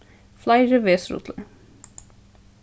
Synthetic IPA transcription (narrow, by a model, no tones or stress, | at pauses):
flaɪʒəʋeːsɾṵt̪ʰlə̰ɹ